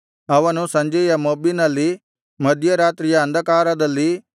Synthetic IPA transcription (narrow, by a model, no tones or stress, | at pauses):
ɐʋanũsɐ̃ɲd͡ʒejamoːbinali | mɐd̪ʱjəɾaːt̪ɾɪjaɐ̃nd̪akaːɾad̪ɐlːi